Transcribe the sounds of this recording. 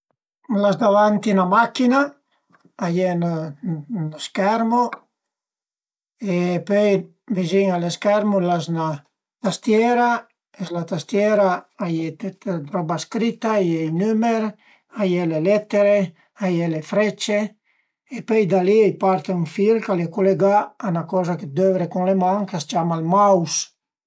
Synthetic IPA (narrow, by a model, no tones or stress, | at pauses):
lazd̪avant̪inamakina | ajen | noskɛɾmo | epøj | veziŋaleskɛɾmulasna | t̪ast̪jɛɾa | eslat̪ast̪jɛɾaajet̪et̪ed̪ɾɔbaskɾit̪ːajejnymeɾ | ajelelɛt̪ːeɾe | ajelefɾɛt͡ʃeː | pøjd̪aliejpaɾt̪euɱfilkalekoleɡaːnakɔːzaked̪øvɾekuŋlemaŋkast͡ʃamalmaws